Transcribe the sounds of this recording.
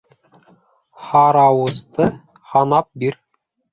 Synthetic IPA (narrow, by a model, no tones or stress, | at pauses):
hɑɾɑwɤ̆st̪ɤ | hɑnɑp̚biɾ